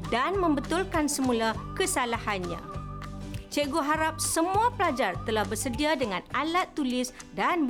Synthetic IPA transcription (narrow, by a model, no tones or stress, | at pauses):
danmə̃mbət̪ulkansəmũlakəsalahanɲã̰ | t͡ʃeɡoɦaɾap̚səmũapəlad͡ʒart̪əlahbərsədiadəŋãnalat̪ːulɪsdan